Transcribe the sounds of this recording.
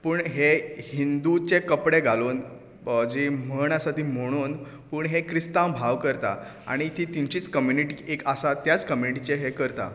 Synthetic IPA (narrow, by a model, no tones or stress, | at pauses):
puːɳɦehind̪ut͡ɕekəpɽeɡʱaluːn | d͡ʑem̤əɳasaʈʰiːm̤əɽ̃uːn | pəːɳɦekɾist̪ãmbʱaʋkəɾt̪a̰ | a̰ɽ̃it̪ʰit̪iɲt͡ɕiːt͡skəmjuniʈiekasat̪jat͡skəmjuniʈit͡ɕeɦekəɾt̪a̰